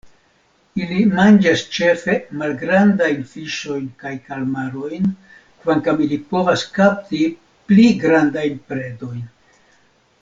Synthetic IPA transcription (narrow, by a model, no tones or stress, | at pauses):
ilimand͡ʒast͡ʃe̞fe̞malɡɾandajnfiʃo̞jnkajkalmaɾo̞jn | kvaŋkamilipo̞vaskap̚ti | pliɡɾandajnpɾe̞do̞jn